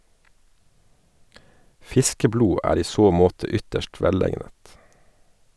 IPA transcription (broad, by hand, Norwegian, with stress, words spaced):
ˈfɪskəˌbluː ˈæːɾ ˈiː ˈsoː ˈmoːtə ˈʏtəʃt ˈʋɛˌleɪnət